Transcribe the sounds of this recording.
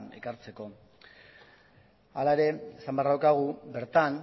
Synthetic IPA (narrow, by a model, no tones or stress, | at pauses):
e̞̰kaɾt͡se̞ko̞ | alaeɾe̞esambearawkaɣ̞ube̞ɾt̪an